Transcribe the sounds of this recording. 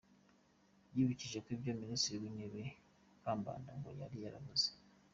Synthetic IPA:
jiβiciʒe̞kwibjoministiɾiwineβe | kaːmba̰ːndaŋɡo̰jaɾijaɾa̰βuze̥

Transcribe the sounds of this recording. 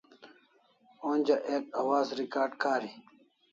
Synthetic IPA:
oːnʲd͡ʑɐʔeːkɐwaːzɾikaːɾɖkaːɾi

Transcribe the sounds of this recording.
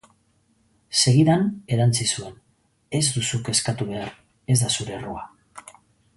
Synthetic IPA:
se̞ɣiðane̞ɾant͡sisue̞n | e̞zd̪usuke̞skat̪uβe̞aɾ | e̞zd̪asuɾe̞rua

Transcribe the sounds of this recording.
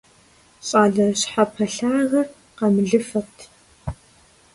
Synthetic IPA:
ɕʼaːɮɐɕħapʰɐɬaːɣɐr | qɐmɨɮɨfɐqtʰ

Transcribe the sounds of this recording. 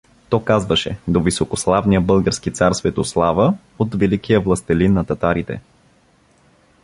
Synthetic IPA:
t̪ɔkazvəʃɛ̰d̪ovisokoslˠavnijəbɤlˠɡəɾskit̪saɾsvɛt̪oslˠavə | ot̪vɛlikijəvlˠəst̪ɛlinːɐt̪ɐt̪aɾit̪ɛ̰

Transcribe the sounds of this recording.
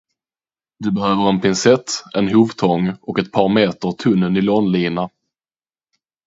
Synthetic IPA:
d̪ɵbɛhøːvəɾɛnpʰɪnsɛt̪ːɛnɦuːvt̪ʰɔŋːɔkɛt̪̚pʰɑːɾmeːt̪əɾt̪ʰɵnːənɪloːnliːna

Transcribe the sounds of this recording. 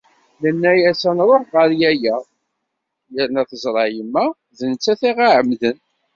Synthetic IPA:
mənːæjæsænɾˤoħʁəɾjæjæ | jəɾnæθəzˤɾˤɑjəmːæ | ðənt͡sːæθiʁaʕəmðən

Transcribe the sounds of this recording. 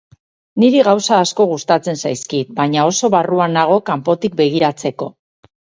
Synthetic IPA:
niɾiɣawsaːsko̞ɣ̞ust̪at͡se̞nsajskit̪̚baɲao̞so̞βaruanaɣ̞o̞kampo̞t̪ik̚be̞ɣ̞iɾat͡se̞ko̞

